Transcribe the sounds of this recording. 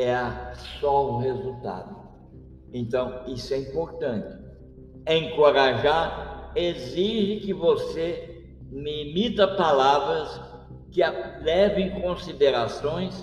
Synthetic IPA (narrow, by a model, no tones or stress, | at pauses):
ɛɐsɔuhezut̪a̰d̪ʊ | ẽnt̪ɐ̃w̃isʊɛĩmpoɾt̪ɐ̃nt͡ʃ̪ɪ̥ | ẽŋkoɾaʒaɾeziʒɪkɪvose | mɪimit̪ɐpalavɾɐs | kɪalɛvẽj̃kõsid̪eɾasõj̃s